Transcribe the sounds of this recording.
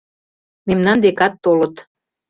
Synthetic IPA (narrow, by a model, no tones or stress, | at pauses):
memnɑnd̪ekɑt̪ːolɤ̆t̪